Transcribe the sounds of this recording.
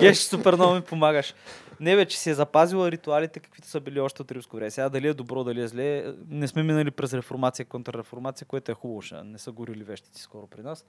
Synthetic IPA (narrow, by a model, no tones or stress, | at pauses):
ɡɛʃsupɛɾnɔvmipomaɡəʃnɛvɛt͡ʃɛ̥siɛzɐpazilˠɐɾit̪ualit̪ɛkɐ̥kvit̪ʊ̥səbiliɔʃt̪ɛot̪ɾimskʊvɾʲɛmɛsɛɡad̪ɐliɛd̪obɾɔd̪ɐliɛzlɛnɛsmɛminəlipɾɛsɾɛfoɾmat̪sijəkont̪ɾɐɾɛfoɾmat̪sijəkoɛt̪ʊɛxubvʊʃə̰nɛsəɡʊɾilivɛʃt̪it̪si̥skɔɾʊpɾinas